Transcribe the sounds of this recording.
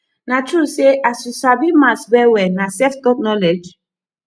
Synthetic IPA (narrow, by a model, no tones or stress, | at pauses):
natʰɹuseʔasusabimasbɛwɛnasɛftɔk̚nɔlɛd͡ʒ